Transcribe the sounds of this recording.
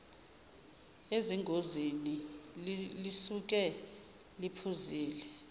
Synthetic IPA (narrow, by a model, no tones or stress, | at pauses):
eziŋʱozini | lisuk̬ʼɛ | lipʰuziːlɛ